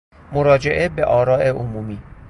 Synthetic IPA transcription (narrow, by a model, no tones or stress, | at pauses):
moɾɒːd͡ʒe̞ʔe̞be̞ʔɒːɾɒːʔeʔomuːmiː